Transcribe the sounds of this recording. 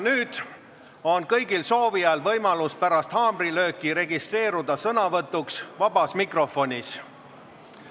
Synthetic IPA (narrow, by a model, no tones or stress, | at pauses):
nyːd̪̥ | o̞nkɤjɡilso̞ːviɑlvɤjmɑluspæɾɑst̪hɑːmrilø̞ːkːˑiɾe̞ɡist̪re̞ːɾud̪̥ɑsɤnɑvɤt̪ːˑuksvɑb̥ɑsmikro̞fo̞nʲis